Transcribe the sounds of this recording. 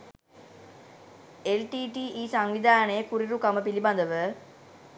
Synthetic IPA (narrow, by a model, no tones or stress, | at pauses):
elʈiːʈiːʔiːsaŋʋid̪ʱaːnəjəkuɾiɾukaməpiliband̪əʋə